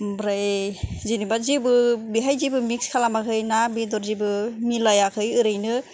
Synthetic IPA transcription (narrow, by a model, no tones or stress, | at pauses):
bɾajzinibatzibɯbiɦajzibɯmikskʰalamakʰɯjnabidɔɾzibɯmilajakʰɯjɯɾɯjnɯ